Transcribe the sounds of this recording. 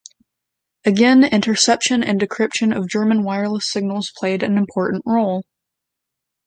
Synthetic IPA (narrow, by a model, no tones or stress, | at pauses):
ɨɡɛ̃nɪ̃ntə˞sɛpʃɨ̃nɨ̰̃ndɨkʰɹ̥ɪpʃɨ̃nʌvd͡ʒɜ˞mɨ̃nwaɪə˞lˠəsɪɡ̚nl̩ˠz̥pʰl̥eɪɾɨ̃nɨ̃mpʰɔɹʔn̩ʔɹoʊlˠ